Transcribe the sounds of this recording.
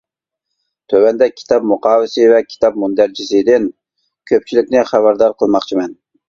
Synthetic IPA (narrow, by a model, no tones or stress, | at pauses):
t̪ʰøwɛnd̪ɛkʲʰi̥t̪ʰɑp̚muqʰɑːwɪsɪvɛkʲʰi̥t̪ʰɑp̚mund̪æɾt͡ʃʰisɪd̪ɪn | kʲʰøp̚t͡ʃʰilɪkʲnɪχæbæɾd̪ɑɾqʰəlˠmɑχt͡ʃʰimɛn